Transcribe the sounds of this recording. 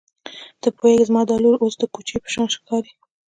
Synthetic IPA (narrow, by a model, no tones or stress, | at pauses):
d̪̥əpʰojeɡzmɑd̪ɑluɾosd̪əkot͡ʃepə̥ʃɑnʃkɑɾi